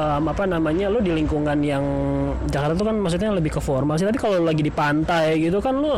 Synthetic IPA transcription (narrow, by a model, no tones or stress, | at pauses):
əmapanamaɲalʊdiliŋkuŋanjaŋ | d͡ʒakaɾrt̪at̪ukanmas̬ut̪̚ɲaləbɪhkəfɔrmals̬it̪ap̬ikalolaɡidipant̪ajɡit̪ukanlʊ